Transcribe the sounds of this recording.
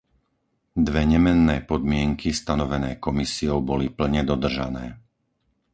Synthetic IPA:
d̪ʋɛɲɛmɛnːɛːpɔd̪mɪɛŋkʰist̪anɔʋɛnɛːkɔmisiɔʊbɔlipl̩ɲɛd̪ɔd̪r̩ʒanɛː

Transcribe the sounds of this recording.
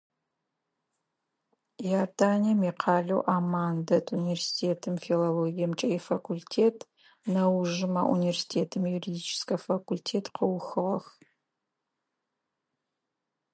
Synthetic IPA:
jaːdaːnimiːqʰɑːɮɐwʔamaːndɐtʰʼunivʲersi̥tʰeːtʰɨmfiloloːɡʲijɐmt͡ʃʼɐjɛfakʷʰultʰeːtʰ | nɐwʒɪmɐʔṵnivʲersi̥tʰeːtʰɨmjuɾidiːt͡ʃʰɪ̥skɐfakʰultʰeːtʰqəwxɨʁɐx

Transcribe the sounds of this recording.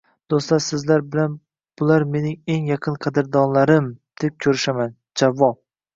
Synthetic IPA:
d̪̥ost̪laɾsɪzlaɾbɪlan | b̥ʊlaɾme̞nɪŋe̞ŋjɑqʰɨnqʰɑd̪ɪɾd̪ɒnlaɾɪmd̪̥e̞p̚kʲʰɵɾɪʃaman | d͡ʒavːɒp̚

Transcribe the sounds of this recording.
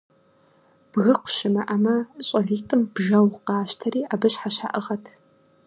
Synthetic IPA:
b̥ɣɨqʷʊʃɪmɐʔɐmɐɕʼɐɮiːtʼɨmbʒɐwqɑːʃtʰɐriːʔabɨɕħaɕa̰ʔɨʁɐtʰ

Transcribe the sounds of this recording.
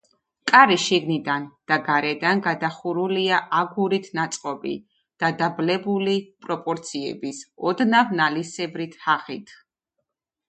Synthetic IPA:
kʼaɾiʃiɡnid̪and̪̥aɡaɾɛd̪anɡad̪aχuɾuliaʔaɡuɾit̪ʰnat̪sʼqʼɔbḭ | d̪̥ad̪ablɛbulipʼɾɔpʼɔɾt̪sʰiɛ̰bisɔd̪navnalisɛbɾit̪ʰhaχit̪ʰ

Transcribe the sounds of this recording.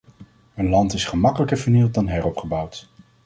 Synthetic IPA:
ɦənlɑntɪsχəmɑkələkəɹvəɹnilˠt̚dɑnɦɛrɔpχəbʌwt

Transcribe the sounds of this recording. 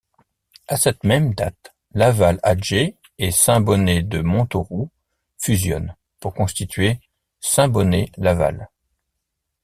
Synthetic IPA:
asɛt̪mɛmd̪at̪ | lavalaʒe | esɛ̃bɔned̪əmɔ̃t̪oʁu | fyzjɔ̰n | puʁkɔ̃st̪it̪ɥe | sɛ̃bɔnelava̰l

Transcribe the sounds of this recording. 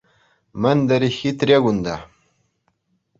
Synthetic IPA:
mənd̪aɾixit̪ɾʲeɡund̪a

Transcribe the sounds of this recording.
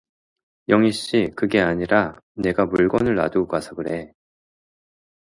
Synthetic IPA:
jʌŋiɕ͈ikɯɡe̞aɲiɾane̞ɡamuɭɡʌnɯɭːa̰dɯɡasʰaɡɯɾe̞

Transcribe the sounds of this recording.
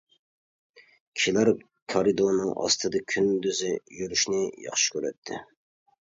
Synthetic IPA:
kʲʰi̥ʃilæɾ | kʰɑɾɨd̪onɨŋɑ̰st̪ʰɨd̪ɑkʲʰynd̪yzɪjyɾyʃnɪjɑ̰χʃi̥kʲʰøɾɛ̰t̪ʰːɪ̰

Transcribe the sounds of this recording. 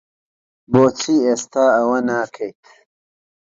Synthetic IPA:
boːt͡sʰieːst̪aːɐwɐnaːkʰɐjt̪

